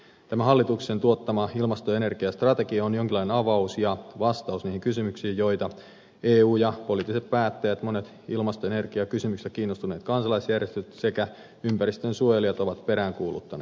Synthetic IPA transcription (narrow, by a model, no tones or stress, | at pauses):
t̪æmæɦɑlːit̪uksent̪uo̞t̪ːɑmɑilmɑst̪oe̞ne̞rɡ̥iɑst̪rɑt̪e̞kiɑonjoŋkilːɑinenɑʋɑusjɑʋɑst̪ɑusniːhiŋkysymyksiːjjo̞jt̪ɑ | eːuːjɑpo̞liˑt̪ːˑiset̪̚pæːt̪ːæjæt̪monet̪ | ilmɑst̪oene̞rɡ̥iɑkysymykset̪kiːnːost̪une̞ːt̪kɑnsɑlɑisjærjest̪yt̪se̞kæ | ympæɾist̪ønsuojeliɑt̪o̞ʋɑt̪pe̞ɾæːŋkuːlṵt̪ːɑnḛː